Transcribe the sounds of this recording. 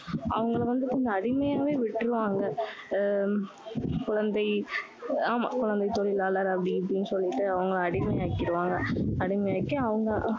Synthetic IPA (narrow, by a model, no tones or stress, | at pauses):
ɐ̰ʋɐŋɡɐɭʋɐnd̪ɯkɔɲd͡ʒɐɐɽɪmɐjaːʋeːʋɪʈːɾɯʋaːŋɡɐ | kʊɻɐnd̪ɐɪ | aːmakʊɻɐnd̪ɐɪt̪ɔlɪlaːlɐɾɐpːɐɽɪpːɽɪnːɯsɔlːɪʈːɯɐʋɐŋɡɐɭɐɽɪmɐjaːkːɪɾɯʋaːŋɡɐɐɽɪmɐjaːkːɯ̃ɐʋɐŋɡɐ